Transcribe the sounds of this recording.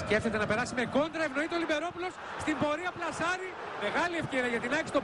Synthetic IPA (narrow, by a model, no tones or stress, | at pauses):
sce̞ft̪e̞t̪e̞nɐpe̞ɾɐsime̞ko̞nd̪ɾɐevno̞it̪eolibe̞ɾo̞pulo̞s | st̪imbo̞ɾiɐplɐsɐɾi | me̞ɣɐliefce̞ɾiɐʝɐt̪inɐksi̥t̪o